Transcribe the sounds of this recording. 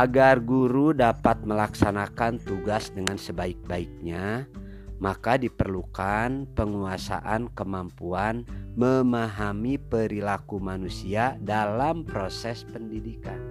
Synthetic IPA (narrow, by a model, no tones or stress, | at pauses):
ʔaɡarɡuɾudapat̪̚məlaksanakant̪uɡasdəŋansəbaik̚baik̚ɲa | makadipərlukanpəŋuasa̰ʔankəmampuanməmaɦamipəɾilakumanusiadalampɾosɛspəndidika̰n